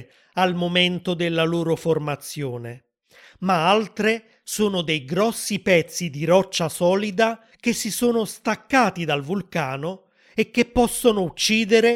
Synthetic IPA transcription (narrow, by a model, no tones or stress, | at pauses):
almomɛnt̪od̪elːaloːɾoformat̪sːjoːne | maalt̪ɾe | soːnʊd̪ejɡɾɔsːipɛt̪sːid̪iɾɔt͡ʃːasɔːlid̪a | k̟esːisoːnost̪akːaːt̪id̪alvulkaːno | ekːepːɔsːonʊut͡ʃːiːd̪eɾe